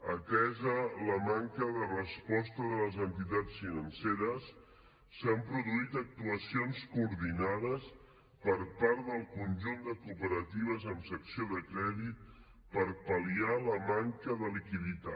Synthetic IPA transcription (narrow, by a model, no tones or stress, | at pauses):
əkɛzələmaŋkəðərəspɔst̪əðələzənt̪it̪at͡sfinənseɾəsː | əmpɾuðuit̪ək̚t̪uəsionskuɾðinaðəs | pəɾpaɾd̪əlˠkunʲʒund̪əkupəɾət̪iβ̞əzəmsəksioðəkɾɛðit̪̚ | pəɾpəlialəmaŋkəðəlikiðit̪a̰